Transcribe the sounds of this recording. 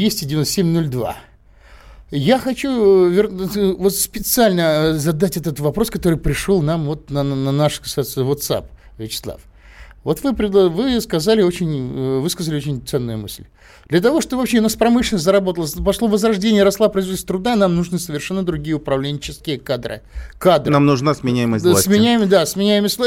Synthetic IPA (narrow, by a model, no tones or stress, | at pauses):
vʲesʲtʲɪdʲɪvʲɪnost̪semʲno̞lʲd̪va̰ | jaxɐt͡ɕuvʲɪrvot̪spʲɪt̪sɨalʲnəzɐd̪atʲɛt̪ət̪vɐpɾo̞skɐt̪o̞ɾɨjpɾʲɪʂolˠnamvo̞t̪̚nənɐnaʂkɐ̥sasʲəvot̪sa̰p̚ | vʲɪt͡ɕɪ̥slˠa̰f | vo̞t̪vɨpɾʲɪd̪ˠvɨskɐzalʲɪo̞t͡ɕɪnʲvɨskəzəlʲɪot͡ɕʲɪnʲt̪sɛnːʊjʊmɨ̰sʲlʲ | d̪̥lʲət̪ɐvo̞ʂt̪obvɐpɕeʊnaspɾɐmɨʂlʲɪnəs̬ʲt̬̪ʲzəɾɐbo̞t̪əlˠəpɐʂlˠo̞vəzɾɐʐdʲenʲɪjəɾɐslˠapɾəizvosʲt̪ɾʊd̪anamnuʐnɨsəvʲɪrʂɛnːəd̪ɾʊɡʲijəʊpɾɐvlʲenʲɪt͡ɕɪskʲɪjəkad̪ɾɨ̰kad̪ɾnɨamnʊʐnasmʲɪnʲæjɪməsʲsmʲɪnʲæjɪmd̪asmʲɪnʲæjɪməsʲt̪